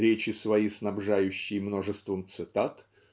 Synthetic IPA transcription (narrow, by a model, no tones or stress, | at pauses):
ɾʲet͡ɕɪsvɐjisnɐbʐajʉɕːɪjmno̞ʐɨst̪vəmt̪sɨt̪at̪